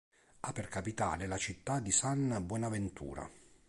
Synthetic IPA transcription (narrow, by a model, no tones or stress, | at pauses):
apːerkapit̪a̰ːlelat͡ʃit̪ːad̪ːisanbwɔnavent̪ʰṵːɾa̰